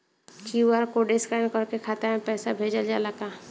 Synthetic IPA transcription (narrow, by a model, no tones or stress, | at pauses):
kiwaɾkoɖɪskaɪnkəɾkekʰaːt̪aɦɛ̃pɛːsabʱeːd͡ʒəld͡ʒalaɡaː